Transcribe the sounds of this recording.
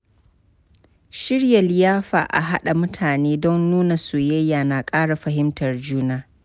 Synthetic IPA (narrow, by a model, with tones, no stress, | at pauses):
ʃɪ˦ɽja˨lɪ˦jaː˦ɸa̰ː˨ʔa̰˨ɦa˦ɗa˨mʊ˦tʰaː˨neː˦dɔ˦nːnuː˦na˨suː˨jɐ˦jːaː˨na˨kʼaː˦ɽa˨ɸɐ˨hɪ˦mtɐ˨rd͡ʒuː˦naː˦